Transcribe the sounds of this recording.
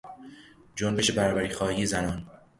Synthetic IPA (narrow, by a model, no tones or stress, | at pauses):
d͡ʒombe̞ʃe̞bæɾɒːbæɾiːxɒːhiːje̞zænɒːn